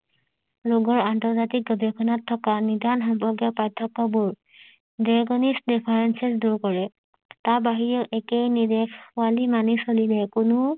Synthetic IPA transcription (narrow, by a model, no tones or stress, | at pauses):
loɡɔɹantɔɹzatik̚ɡɔbʱekʰɔnɔtʰːɔkanidanxɔmbɔɡjapajtʰːɔkːɔbuɹ | deɡɔnistdipʰaɹensesduɹkɔɹɛ | tabaɦijɔʔɛkejnidekʰʊalimanisolilɛkʊnʊ